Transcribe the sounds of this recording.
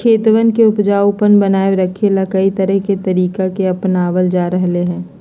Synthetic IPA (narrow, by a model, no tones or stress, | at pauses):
kʰeːt̪ʋənkeʊpd͡ʒaːupənbɐnaːeɾɐkʰelakɐit̪ɐɾəɦket̪ɐɾiːkakeɐpnaːʋəld͡ʒaːɾɐɦleɦɛ̃ː